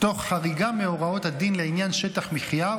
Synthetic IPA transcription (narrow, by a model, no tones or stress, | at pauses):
t̪o̞χħaʁiɡameo̞ʁao̞t̪had̪inleinjanʃe̞taχmiχja